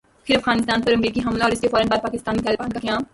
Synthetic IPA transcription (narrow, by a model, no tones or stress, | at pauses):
pʰɪɾɐfɣaːnɪst̪aːnpɐɾɐmɾiːkiɦɐmlaɔːɾɪskefɔːɾənbaːd̪̚paːkɪst̪aːnit̪aːlɪbaːnk̪akãːm